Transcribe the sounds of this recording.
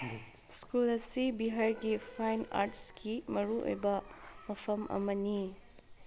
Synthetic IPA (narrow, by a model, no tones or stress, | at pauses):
skulɐsibiɦaɾɡipʰajna̰ɾʈskimɐɾuo̰jbɐmɐpʰɐmɐ̰mɐni